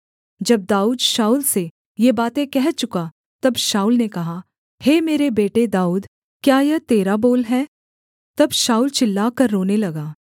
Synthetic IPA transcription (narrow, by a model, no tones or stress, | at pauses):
d͡ʒɐb̚d̪aːuːd̪ʃaːuːlse | jebaːt̪ẽkɛɦt͡ʃʊka | t̪ɐbʃaːuːlnekɐɦa | heːmeːɾebeːʈed̪aːuːd̪ | kjaːjɛt̪eːɾaboːlɦɛː | t̪ɐbʃaːuːlt͡ʃɪlːaːkɐɾːoːnelɐɡaː